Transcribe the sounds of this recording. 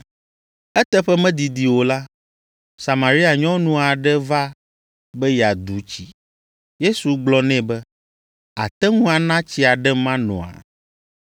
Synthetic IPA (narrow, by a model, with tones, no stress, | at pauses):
ɛ˦t̪ɛ˦ɸɛ˦mɛ̃˦d̪i˨d̪i˨wo˨la˦ | sa˨mã˨ɾi˦a˨ɲɔ̃˦nũ˦a˨ɖɛ˦va˦ | bɛ˦ja˨d̪u˨˦t͡ɕi˨ | je˦su˨ɡ͡blɔ˦nɛ̃˦bɛ˦ | a̰˨t̪ɛ˦ŋũ˦a˨nã˦t͡ɕi˦a˨ɖɛ˦mã˦nɔ̰̃˨a̰˨